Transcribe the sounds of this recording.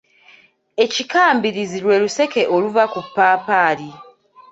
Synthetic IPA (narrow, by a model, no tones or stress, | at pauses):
e̞cikaːmbiɾizilwe̞ːluse̞ke̞ʔoluvakupːaːpaːli